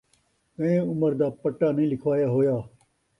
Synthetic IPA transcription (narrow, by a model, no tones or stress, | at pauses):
kɐ̃ẽːʊməɾd̪aːpəʈːaːnĩːlɪkʰʋaːjaːɦoːjaː